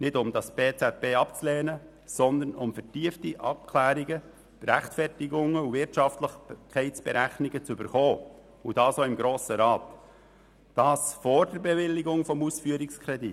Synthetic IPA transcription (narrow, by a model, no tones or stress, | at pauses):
nɪdʊmd̥ɑsb̥eːt͡sɛt̪̚b̥eːɑpt͡sleːnə | sɔnd̪ənʊmfətiːəftiʔɑp̚kʰlæːɾiɡə | b̥ɾæχtfɛrtɪɡʊŋəuvɪɾtʃɑftləχkʰːɛɪt͡sb̥ɛɾæχnɪɡət͡sʏbəɾχɔː | ud̥ɑːsoːɪmɡɾoːsəɾɑːt̪ | d̥ɑːsfɔɾdəɾbɛʋɪlːɪɡʊŋfɔmusfyːəɾɪkskʰɾɛdi